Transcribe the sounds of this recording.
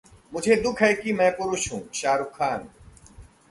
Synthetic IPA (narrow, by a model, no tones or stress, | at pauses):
mʊd͡ʒʱed̪ʊkʰɦɛːkimɛ̃ːpʊɾʊʃɦũːʃaːɾukʰːaːn